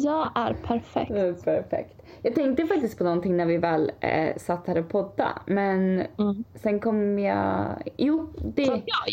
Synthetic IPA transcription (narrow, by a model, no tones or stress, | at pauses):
jɑːɡæɾpʰæɾfɛ̰kpʰæɾfɛ̰kt̪ | jɑːɡ̚t̪ʰɛŋk̚t̪əfak̚t̪ɪst̪̚pʰɔnɔnt̪ɪŋnæɾvɪvɛːlsat̪ːhæːɾɔpʰɔd̪ːa̰mɛn | sɛnkʰɔmjɑ̰ːjuːd̪ɛ